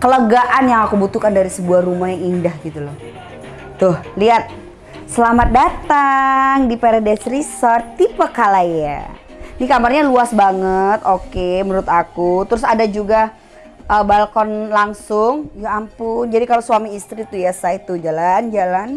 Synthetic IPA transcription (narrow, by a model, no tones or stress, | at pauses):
kələɡaʔanjaŋakubut̪ukandaɾisəbuahrumahjaŋindahɡit̪ulɔh | t̪ʊhliat̪̚ | səlamat̪̚dat̪aŋdipeɾedɛsɾisɔrt̪ːipakalaja̰ | nikamarɲaluasbaŋət̪okeməɾʊt̪akut̪əɾʊsadad͡ʒuɡa | ʔəbalkɔnlaŋsʊŋjaampʊnd͡ʒadikaloswamiːst̪ɾit̪ujasait̪ud͡ʒaland͡ʒalan